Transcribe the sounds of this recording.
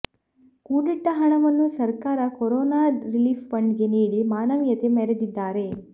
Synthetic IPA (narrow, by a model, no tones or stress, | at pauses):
kuːɽiʈːɐɦɐɳɐʋɐnːusɐɾkaːɾɐkɔɾoːnaːɾiliːppɐɳɖɡe̞niːɽimaːnɐʋjɐt̪e̞mɛɾed̪id̪ːaːɾe̞